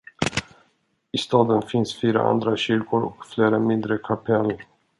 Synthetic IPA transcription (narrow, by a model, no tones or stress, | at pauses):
ɪst̪ɑːd̪ənfɪnsfyːɾa̰ʔa̰nd̪ɾaɕʏɾkʊɾɔkfleːɾəmɪnd̪ɾəkʰapʰɛlː